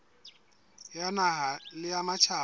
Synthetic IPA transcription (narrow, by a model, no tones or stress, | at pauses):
janaɦalɪamat͡ʃʰa